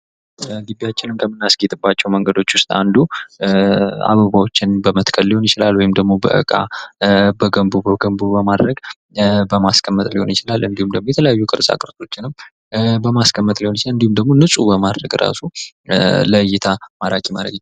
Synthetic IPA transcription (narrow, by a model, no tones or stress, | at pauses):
ɡibijat͡ʃːɪnɨmkʰəmːɨnːasɡet̪ʼɨbːat͡ʃːɛwməŋɡəd̪o̞t͡ʃːwʊst̪ʼa̰nd̪u | a̰βəβawo̞t͡ʃːɪnbəmət̪kʰəlliho̞njɪt͡ʃɪlalwɔjɪmd̪əɡmo̞bə̰ʔɨ̰kʼa̰ | bəɡəmbubəɡəmbubəmad̪ɾəɡ | bəmaskʰəmːət̪ʼliho̞njɪt͡ʃɪlalɨnd̪ihumd̪əɡmojɛt̪ʰələjajːukʼɨɾsʼa̰kʼɨɾt̪ʼo̞t͡ʃːɪnɨm | bəmaskʰəmːət̪lihoɪt͡ʃlɨnd̪ihumd̪əɡmo̞nɨsʼubəmad̪ɾəɡɾʔa̰su | ləjːɪt̪ʰamaɾakʼimaɾə̰ɡ